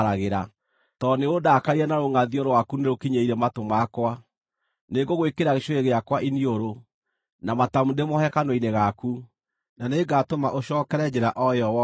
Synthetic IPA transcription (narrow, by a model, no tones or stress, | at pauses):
ɾaɣeɾa | tɔneodakaiɾɛnaɾoŋaðiɔɾwakuneɾokiɲeiɾɛmatomakwa | neɡoɣwekeɾaɣeʃoeɣeakwaʔinioɾo | namatamudemɔhɛkanwɔineɣaku | naneɡatomaʔoʃɔːkɛɾɛd͡ʑeɾaʔɔjɔw